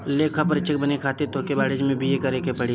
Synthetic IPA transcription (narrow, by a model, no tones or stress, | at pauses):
leːkʰapɐɾɪt͡ʃʰɪk̚bənekʰaːt̪et̪oːkebaːɽed͡ʒmẽbʱijekɐɾekepɐɽi